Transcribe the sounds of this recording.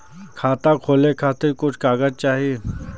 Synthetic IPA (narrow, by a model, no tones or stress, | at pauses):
kʰaːt̪akʰoːlekʰaːt̪ɪɾkʊt͡ʃʰkaːɡəd͡ʒ̚t͡ʃaːɦie